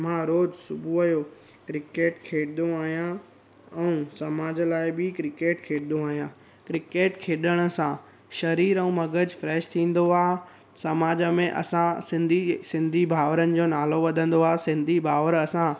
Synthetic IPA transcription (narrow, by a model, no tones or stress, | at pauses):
m̤ãɾoːd͡ʑsʊbʱuɐjo | kɾɪkeːʈkʰeːɽɪɗ̪õaːɦijã | ɛ̃ũsɐmaːd͡ʑəlaːɪbɪkɾɪkeːʈkʰeːɽɪd̪õaːɦijãː | kɾɪkeːʈkʰeːɗəɽ̃ə̆sã | ʃɐɾiːɾə̃ũmɐɡəd͡ʑfɾɛːʃt̪ʰĩːn̆d̪oaːɦ | sɐmaːd͡ʑəmẽʔɐ̰sãsɪ̃nd̪ʱisɪ̃nd̪ʱibʱaːʋəɾənɪ̆d͡ʑoːnaːloʋɐd̪ʱə̃n̆d̪oaːsɪ̃nd̪ʱibʱaːʋəɾɐsã